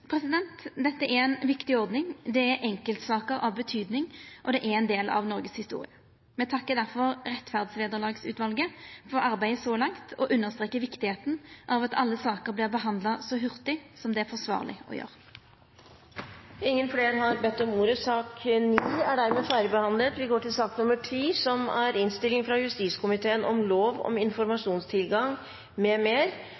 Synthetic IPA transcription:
pʰɾɛsɪd̪ɛnt̪d̪ɛt̪ːəæɛnʋɪkt̪ɪɔɾd̪nɪŋd̪ɛæɾʔɛŋkəlt̪sɑːkəɾɑʋbət̪ʰyːd̪nɪŋʔɔd̪ɛʔæɛnd̪eːlɑ̰ʋnɔɾɡəshɪst̪ṵːʁɪ̰ə | mɛt̪ʰɑkːəd̪æɾfɔɾʁɛt̪ːfæʁd̪sʋeːd̪əʁlɑːɡsʉ̰ːʋɑlɡəfɔɾɑɾbæɪəsɔlɑŋt̪ʰɔʔʉnːəʁst̪ʁeːkːəʋɪkt̪ɪheːt̪n̩ʔɑʋɑt̪ɑ̰lːəsɑːkəɾblɪːʁbəɦɑnd̪lɑsɔɦʉʁt̪ɪsɔmd̪ɛæɾfɔsʋɑ̰ːʁlʔɪ̰ɔ̰jø̰ːʁ | ɪŋːənfleːɾɦɑɾbɛt̪ːɔmuːɾəsɑːkniːæɖæɾmeːfæɪɾəbəhɑnlət̪ʋɪɡoːʈʰɪlsɑːknʊməʈʰɾiːsɔmæɾɪnst̪ɪlɪŋfɾɑjʉst̪iːskʰʊmɪt̪ʰeːənʔɔ̰mloːʋɔ̰mɪnfɔɾmɑʂuːnst̪ʰɪlɡɑŋ | mɛmeːɾ

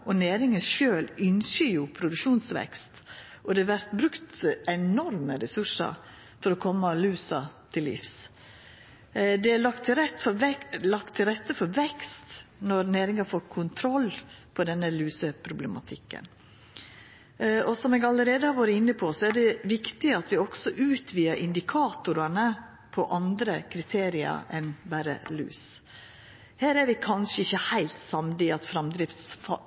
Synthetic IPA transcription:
ɔneːɾɪŋənʃøːlʏnsəjʊpʰɾʊd̪ʉkʂuːnsʋɛ̰kst̪ | ʔɔd̪ɛʋæɾt̪bɾʉkt̪ɛnɔɾməɾɛsʉʂə̰ɾ | fɔɾɔkʰɔmːɑlʉːsɑt̪ʰɪlːɪ̰fs | d̪ɛælɑkt̪ʰːɾɛt̪fɔɛlɑkt̪ʰːɪlɾɛt̪ːəfɔɾʋɛkst̪nɔɾneːɾɪŋɑfoːɾkʰʊnt̪ʰɾɔlːpʰɔd̪ɛnːəlʉːsəpʰɾʊblɛmɑ̰t̪ʰɪkːə̰n | ʔɔsɔmɛɡɑləɾeːd̪əhɑɾʋɑɾəɪnːəpʰɔsɔæɖɛʋɪkt̪ɪəɑt̪ʋɪɔɡ̥sɔʔʉːt̪ʰʋiːəɾʔɪnd̪ɪkʰɑːt̪ʊɾɑnə | pʰɔʔɑnd̪ɾəkʰɾɪt̪ʰeːɾɪɑ̰ɛnbæɾə̰ly̰ːs | hæːɾæɾʋɪkʰɑnʂəɪçːəhæɪlt̪sɑmd̪ɪɑt̪fɾɑmd̪ɾɪft̪sfɑ

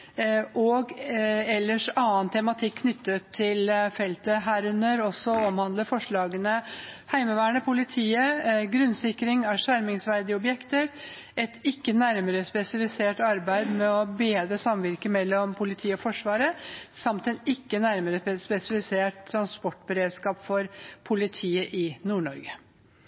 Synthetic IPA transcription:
ʔɔɡɛlːəʂɑːnt̪ʰɛmɑt̪ʰɪkʰːnʏt̪ːət̪ʰːɪlfɛlt̪əɦæːɾʉnəɾɔsːɔɔmhɑnd̪ləfɔʂɭɑːɡənəhæɪməʋæːɳəpʰʊlɪt̪ʰiːəɡɾʉnːsɪkːɾɪŋæʂæɾmɪŋsʋæɾd̪ɪəɔbjɛkt̪əɾ | ɛt̪ɪkːənæɾməɾəspɛsɪfɪseːʈɑɾbæɪd̪mɛɔbeːd̪ɾəsɑmʋɪɾkəmɛlːɔmpʰʊlɪt̪ʰiːɔfɔʂʋɑːɾəsɑmt̪ɛnɪkːənæɾməɾəspɛsɪfɪseːʈt̪ʰːɾɑnspɔʈːbəɾeːd̪skɑːpfɔɾpʰʊlɪt̪ʰiːəʔɪnuːɳɔɾɡə

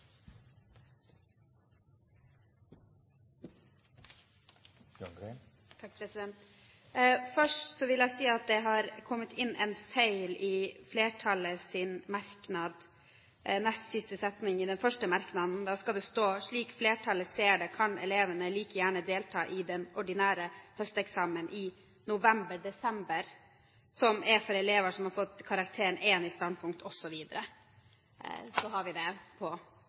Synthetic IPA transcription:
t̪ʰɑk̚pʰɾɛsɪd̪ɛnt̪ | fœʂʈsɔʋɪljæɪsiːɑt̪̚d̪ɛɦɑɾkʰɔmːət̪ʰɪnːɛnfeɪlɪfleːʈʰɑləsɪnmɑɾknɑd̪ | nɛst̪sɪst̪əsɛt̪nɪŋɪd̪ɛnfœʂʈəmɑɾknɑd̪n̩d̪ɑːskɑld̪ɛst̪oːʂɭiːkfleːʈʰɑlːəseːɖɛkʰɑnɛ̰leːʋənəliːkəjæːɳəd̪eːlt̪ʰɑːʔɪd̪ɛnɔɖɪnæːɾəhœst̪ɛksɑːmənʔɪ | nʊʋɛmbəɖɛsɛmbəɾ | sɔmɛfɔɾɛleːʋəʂɔmhɑɾfɔt̪ːkʰɑɾɑk̚t̪ʰeːɾəɳɛːnɪst̪ɑnd̪̚pʰʊŋk̚t̪ʰɔsːɔʋiːd̪əɾə | sɔɦɑɾʋɪd̪ɛpʰɔ

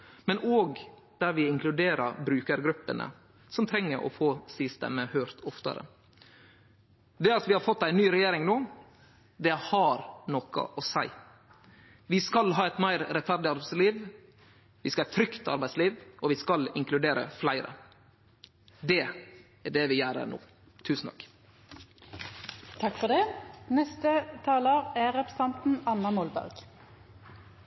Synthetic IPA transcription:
mɛnoːɡ | d̪̥æɾʋɪɪŋkʰlʉd̪eːɾəɾbɾʉːkəɾɡɾʉpːənə̰ | sɔmt̪ʰɾɛŋːəɾɔ̰foːsɪst̪ɛ̰məhœːɾt̪ɔft̪ə̰ɾə̰ | d̪ɛɑt̪ʋɪhɑɾfɔt̪ːæɪnːyːɾɛjeːɾɪŋnoː | d̪ɛhɑɾnɔkə̰ʔɔsæɪ | ʋɪskɑlɦɑːɛt̪mæɪɾɾɛt̪fæɾɖɪɑɾbæɪsliːʋ | ʋɪskɑæt̪ʰɾʏkt̪ɑ̰ɾbæɪsliːʋɔʋɪskɑlɪŋklʉd̪eːɾə̰flæɪɾə̰ | d̪ɛ | æɖɛʋɪjæːɾə̰no̰ː | t̪ʰʉːsn̩t̪ʰɑk | t̪ʰɑkfɔd̪ɛnɛst̪ət̪ʰɑːləʁæʁɛpʰə̥sɛnt̪n̩ɑnːɑmɔlbæ̰ʁɡ̥

